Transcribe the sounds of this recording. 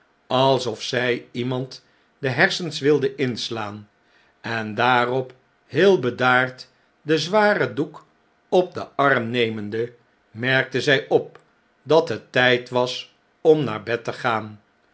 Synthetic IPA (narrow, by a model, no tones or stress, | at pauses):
ɑlˠsɔfsɛjimɑnt | dəɦɛɹsənsʋɪlˠdəʔɪnslaːn | ɛndaːrɔp | ɦɪːlˠbədaːɹt | dəzʋaːrəduk | ɔb̚də̰ʔɑrmnejməndə | mɛɹk̚təzɛjʔɔp̚ | dɑtɦətɛjtʋɑs | ɔmna̰ːɹbɛtəχaːn